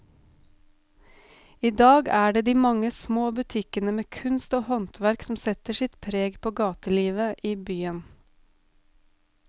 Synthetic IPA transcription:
iːd̪ɑːɡæːɖeːd̪iːmɑŋəsmoːbʉt̪ʰɪkənəmeːkʰʉnst̪oːhɔnt̪ʋæɾksm̩sɛt̪əʃɪt̪pʰɾeːɡpʰoːɡɑːt̪əliːʋəʔiːbyːən

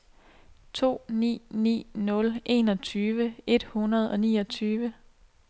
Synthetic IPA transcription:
t͡sʰo̝̰ːnḭːnḭːnɔ̽lʔe̝ːnɒ̽t͡sʰyːʋəe̝d̥hunɐð̞ˠɒ̽nḭːɒt͡sʰyːʋə

